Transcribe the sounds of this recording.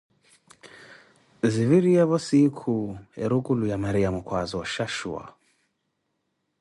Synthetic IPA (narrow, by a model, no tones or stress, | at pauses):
ziviɾiaβɔsikʰuɛɾukulujamaɾiamukwazɔʃaʃṵa̰